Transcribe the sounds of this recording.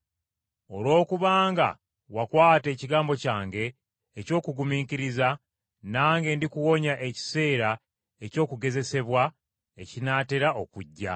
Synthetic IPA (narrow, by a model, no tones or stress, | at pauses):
o̞lwo̞ːkuβaːŋɡa̰ | wakwaːte̞ːciɡaːmbo̞caːŋɡe̞ː | co̞ːkuɡumiːkiɾiza | naːŋɡe̞ndikuwo̞ɲaʔe̞ci̥se̞ːɾa | e̞co̞ːkuɡe̞ze̞se̞βwa | e̞cinate̞ɾaʔo̞̰kuɟːa̰